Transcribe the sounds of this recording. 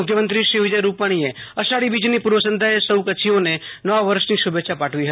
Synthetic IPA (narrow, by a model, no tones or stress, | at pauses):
ʊkʰjəmə̃nt̪ɾiʃiʋɪd͡ʒəjɾuːpaːɽ̃ieəsaːɽibiːd͡ʒnipʊɾʋəsə̃nd̪ʱaesəwkət͡ʃʰijõnenɔʋaʋəɾʃnisʊbeːʃʰapaːʈʰʋiɦɐt̪i